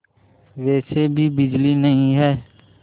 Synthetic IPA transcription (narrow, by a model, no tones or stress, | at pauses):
ʋɛːsebʱiːbɪd͡ʒliːnəɦĩɦɛː